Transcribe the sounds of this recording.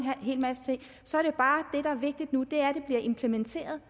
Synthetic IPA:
ɦe̝̰ːlmæsə̥t͡sʰe̝ŋ̰ | sɒ̽æɐɾ̥ejo̝b̥ɑ̈ːd̥e̝ɾ̥ɑ̈æɐʋe̝ɡ̥̚d̥id̥nud̥e̝æɐɾ̥e̝b̥liɐʔe̝mpʰlement͡sʰe̝̰ːɐð̞̩ˠ

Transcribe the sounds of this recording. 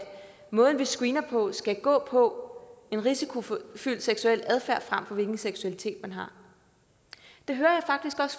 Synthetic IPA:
mɔ̽ːð̞ˠn̩ʋisɡ̥wiːnɐpʰɒ̽sɡ̥æɡ̥ɔ̰̽ːpʰɒ̽e̝nʁisikʰo̝fyl̰d̥seɡ̥suel̰d̥æð̞ˠfæɐ̰fʁam̰fɒ̽ʋe̝lɡ̥n̩seɡ̥suælit͡sʰe̝̰ːd̥mænɦɑ̈ | d̥e̝ɦøːɐjɑ̈ɪfɑ̈ɡ̥̚d̥isɡ̥ɒ̽s

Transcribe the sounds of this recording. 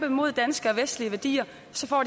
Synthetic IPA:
b̥əmo̝ð̞̰ˠd̥ænsɡ̥əɒ̽ʋesd̥liəʋæɐd̥ḭːɐ | sɒ̽fɒ̰ːd̥

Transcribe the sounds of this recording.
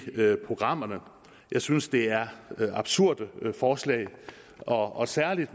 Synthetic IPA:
pʰʁo̝ɡ̥ʁɑ̈m̰ɐnə | jɑ̈ɪsynsd̥e̝æɐɑ̈b̥suɐ̰d̥əfɒːslɛ̰ɪ | ɒ̽ɒ̽sæɐlid̥

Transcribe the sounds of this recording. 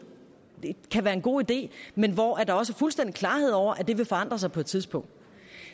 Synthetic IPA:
d̥ekʰæʋæːɐe̝nɡ̥o̝̰ːid̥e̝̰ːmenʋɒʔæɐd̥ɑ̈ɒ̽səfulsd̥en̰d̥i̥kʰlɑ̈ːhe̝ð̰ˠɒʊ̰ɐʔæd̥e̝ʋe̝fɒ̽ɑ̈n̰d̥ʁɐsɑ̈ɪpʰɒ̽e̝d̥t͡sʰið̞ˠsb̥ɔ̽ŋ̰d̥

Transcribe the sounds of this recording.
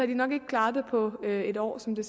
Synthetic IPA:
hɑd̥inɒ̽ɡ̥e̝ɡ̥əkʰlɑ̈ːðˠd̥epʰɒ̽øe̝dɒ̰ːsɒ̽md̥e̝s

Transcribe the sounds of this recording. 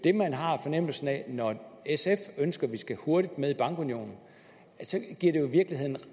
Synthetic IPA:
d̥e̝mænɦɑ̈fɒ̽nem̰l̩sn̩ɛnɒesefønsɡ̥ɐʋisɡ̥æho̝ɐɾ̥id̥með̞ˠib̥ɑ̈ŋɡ̥unijo̝̰ːnn̩ | sɒ̽ɡ̥iɐɾ̥e̝joiʋiɐɡ̥liɦe̝ð̞̰ˠn̩

